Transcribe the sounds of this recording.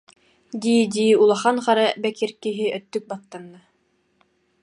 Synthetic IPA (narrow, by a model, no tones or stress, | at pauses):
d̪id̪iulˠɑχɑnχɑɾabækiɾkiɦɘʔœt̪ːɵk̚baθːanːa